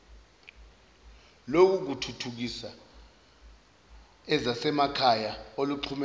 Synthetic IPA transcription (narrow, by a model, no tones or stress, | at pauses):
lok̬uk̬utʰutʰuk̬isa | ɛzasɛmakʰajaoluǃʰumɛ